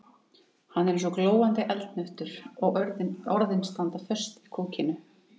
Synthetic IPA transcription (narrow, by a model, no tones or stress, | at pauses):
hanːɛɾɛnsɔkloːwant̪ɪʔɛlt̪nœht̪ʏɾɔɣɔɾðɪnst̪ant̪afœr̥st̪ikʰoːcɪnʏ